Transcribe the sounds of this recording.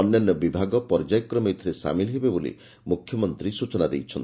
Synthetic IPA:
ɔnjanːɔbibʱaɡɔpɔɾd͡ʒajɔkɾɔmejt̪ʰiɾesa̰milɦebebolḭ | mukʰjɔmɔnt̪ɾisut͡ʃɔnad̪ejt͡ʃʰɔnt̪i

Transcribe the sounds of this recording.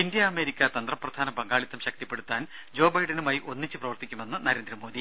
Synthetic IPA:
ind̪jɐːme̞ːɾikʲːɐt̪ɐnd̪rɐprɐd̪ʱaːnɐbɐŋɡaːɭit̪ːɐmɕɐk̚t̪ipːe̞ɽut̪ːaːn | d͡ʑo̞ːbɐjɖɐnumaːjiʔo̞nːit͡ɕːɨprɐʋɐrt̪ikʲːume̞nːɨnɐɾe̞ːnd̪ɾɐmo̞ːd̪i

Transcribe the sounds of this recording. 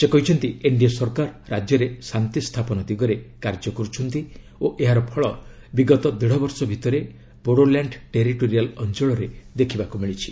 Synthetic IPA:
sekɔɦit͡ʃʰɔnt̪ieɳɖiasɔɾkaɾɾad͡ʒjɔɾesant̪ist̪ʰapɔnɔd̪iɡɔɾekaɾd͡ʒɔkɔɾut͡ʃʰɔnt̪i | oʔeɦaɾɔpʰɔɭɔ | biɡɔt̪ɔd̪eɽ̤ɔbɔɾsɔbʱit̪ɔɾe | boɽolaɳɖʈeɾiʈoɾialɔnt͡ʃɔɭɔɾed̪ekʰibakumiɭit͡ʃʰi̥

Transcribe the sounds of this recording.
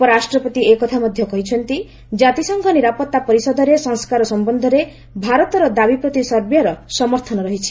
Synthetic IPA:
pɔɾɾasʈɾɔpɔt̪iekɔt̪ʰamɔd̪ʱjɔkɔɦit͡ʃʰɔnt̪i | d͡ʒat̪isɔŋɡʰʱɔniɾapɔt̪ːapɔɾisɔd̪ʱɔɾesɔŋskaɾɔsɔmbɔnd̪ʱɔɾe | bʱaɾɔt̪ɔɾɔd̪abipɾɔt̪isɔɾbjɔɾɔsɔmɔɾt̪ʰɔnɔɾɔɦit͡ʃʰi̥

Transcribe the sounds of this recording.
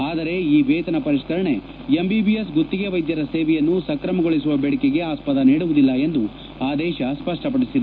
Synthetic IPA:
aːd̪ɐɾe̞iːʋeːt̪ɐnɐpɐɾiʂkɐɾɐɳe̞ | embibijesɡot̪ːiɡe̞ʋɐjd̪jɐɾɐseːʋɛjɐnːusɐkɾɐmɐɡo̞ɭisuʋɐbɛɽikeɡe̞aːspɐd̪ɐniːɽuʋud̪ilːɐe̞nd̪u | aːd̪ɛːʃɐspɐʂʈɐpɐɽisid̪e

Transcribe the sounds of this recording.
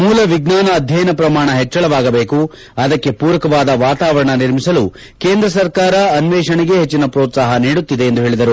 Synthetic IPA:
muːlɐʋiɡnaːnɐːd̪ʱjɐjɐnɐpɾɐmaːɳɐɦet͡ʃːɐɭɐʋaːɡɐbeːku | ɐd̪ɐkːe̞puːɾɐkɐʋaːd̪ɐʋaːt̪aːʋɐɾɐɳɐniɾmisɐlu | ke̞ːnd̪ɾɐsɐɾkaːɾɐɐnʋɛːʂɐɳɛɡe̞ɦet͡ʃːinɐpɾo̞ːt̪saːɦɐniːɽut̪ːid̪eːnd̪uɦe̞ːɭid̪ɐɾu

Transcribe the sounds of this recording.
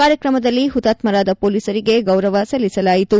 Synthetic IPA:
kaːɾjɐkɾɐmɐd̪ɐlːiɦut̪aːt̪mɐɾaːd̪ɐpoːliːsɐɾiɡe̞ɡɐwɾɐʋɐsɐlːisɐlaːjit̪u

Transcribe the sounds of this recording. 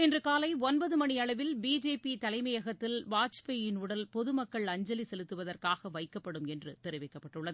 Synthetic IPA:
ɛndrɯkaːlɐɪɔnbɐðɯmɐɳiɐɭɐʋɪlbiːd͡ʒeːpit̪ɐlɐɪmɐjɐɣɐt̪ːɪlʋaːt͡ʃpɐjɪnuɽɐlpɔðɯmɐkːɐɭɐɲd͡ʒɐlisɛlɯt̪ːɯʋɐðɐrkaːɣɐʋɐɪkːɐpːɐɽɯmɛndrɯt̪ɛɾɪʋɐɪkːɐpːɐʈːɯɭːɐðɯ

